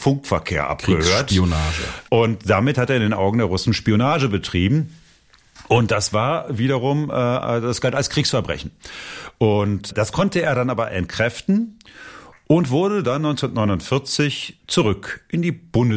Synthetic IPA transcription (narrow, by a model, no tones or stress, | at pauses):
fʊŋkfɛɐkʰḛːɐʔa̰pɡ̥əhøːɐtonaːʒə̰ʔʊntd̥amɪthateːɐɪndeːnʔaʊɡŋ̩deːɐʁʊsn̩ʃpionaːʒəbətʁ̥iːbm̩ | ʊnt̚d̥asv̥aːɐviːɾɐʁ̞ʊmʔɛːd̥asɡ̥altalskʁ̥iːksfɛɐbʁɛ̰çn̩ʔʊntd̥askʰɔntəeːɐɾanʔaːbɐʔɛntkʁ̥ɛftn̩ | ʔʊntv̥ʊɐɾədanːɔʏnt͡snɐtnɔʏnʊntfɪɐt͡sɪçt͡suʁʏkʔɪndiːb̥ʊndə